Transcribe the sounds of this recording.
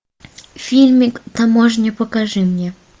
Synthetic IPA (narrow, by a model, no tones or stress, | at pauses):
fʲilʲmʲikt̪amɔʐnʲɛpɔkaʐɨmɲʲɛ